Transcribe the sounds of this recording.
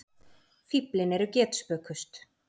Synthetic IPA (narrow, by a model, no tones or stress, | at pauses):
fiplɪnɛɾʏcɛːt̪spœːkʏst̪